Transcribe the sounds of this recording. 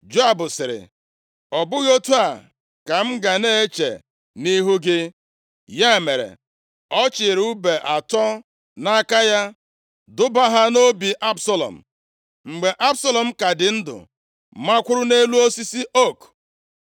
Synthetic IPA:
d͡ʒo˦a˦bʊ˨sɪ˨ɾɪ̰˨ | ɔ˨bʊ˦ɣo˦tu˦a˨ | ka˨m̩˦ɡa˨ne˦e˦t͡ʃḛ˨ | ni˦ɦu˦ɡɪ˦ | ja˦e˨me˨ɾḛ˨ | ɔ˦t͡ʃɪ˨ɾu˦be˨ʔa˨tɔ˦ | na˦ka˦ja˦ | dʊ˦ba˦ɦa˦no˦bi˨ʔa˦bsa˦lɔ̰˨m̩̰˨ | ŋ͡m̩˨ɡ͡be˨ʔa˦bsa˦lɔ˨m̩˦ka˨dɪ˨n̩˦dʊ̰˨ | ma˦kʷʊ˦ɾʊ˦ne˦lu˦o˦si˦si˦ʔo˦˨k

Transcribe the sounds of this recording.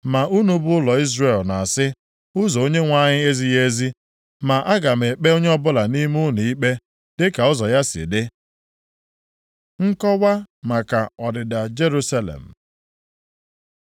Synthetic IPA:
ma˨ʔu˦nu˦bʊ˦ʊ˦lɔ˨i˦zre˨lna˨a˨sɪ˦ | ʊ˦zɔ˨o˦ɲe˦ŋʷa˦ɲɪ˦e˦zi˦je˦zi˦ | ma˨ʔa˦ɡa˨me˨k͡pe˦o˦ɲe˦ɔ˦bʊ˦la˨ni˦mʊ˦ni˨i˦k͡pe˦ | dɪ˦ka˨ɔ˦zɔ˨ja˦sɪ̰˨dɪ˦ | ŋ̩˦kɔ˦wʷa˦ma˨ka˨ɔ˨dɪ˨da˨d͡ʒe˦ɾu˦sa˦lḛ˨m̩˨

